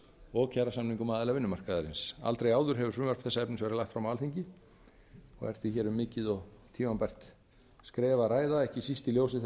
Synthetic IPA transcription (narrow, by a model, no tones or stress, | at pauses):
ɔɣcʰaːɾasamniŋkʏmaːðɪlavɪnːʏmar̥kaðaɾɪnsa̰lt̪ɾejaːwðʏɾ̥ɦɛvʏɾ̥fʏmvœɾ̥pθɛsːaɛpnɪvɛːɾɪlajxt̪fɾamaalθiɲcɪ | ɔ̰ɣɛ̰r̥t̪ʰvɪçɛːɾʏmːɪːcɪðɔɣt̪ʰiːmanpajr̥t̪ | skɾɛːvaɾaːjðaɛhcɪsist̪ɪljoːwsɪ